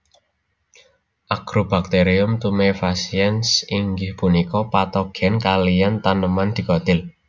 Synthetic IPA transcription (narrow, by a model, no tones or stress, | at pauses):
ʔaɡ̥ɾob̥ak̚t̪eɾiʊmt̪umefasiɛnsiŋɡɪhpunikɔpat̪ɔɡ̥ɛ̤nkalijant̪anəmand̪̥i̤kɔt̪ɪl